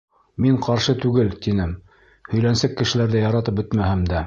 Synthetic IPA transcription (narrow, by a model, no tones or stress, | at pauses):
miɴqɑɾʃɤt̪ʉɡɘlt̪inɘm | hɵ̆jlænsækːɘ̆ʃɘ̆læɾðæjɑɾɑt̪ɤp̚bɵt̪mæhɘmd̪æ